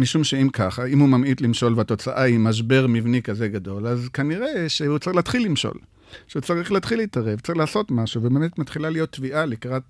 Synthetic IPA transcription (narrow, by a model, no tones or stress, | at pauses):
miʃumʃeimkaχaimhumamit̪limʃo̞lveato̞t͡saʔaimaʃ̬be̞ʁmivnikaze̞ɡado̞lazkaniʁe̞ʃeut͡saʁiχlaːt̪χilːimʃo̞̰l | ʃeut͡saʁiχlaːt̪χiliːtaʁe̞vtt͡saʁiχlaːso̞tmaʃuvebemetmatχilalijo̞t̪ːviʔalikʁat̚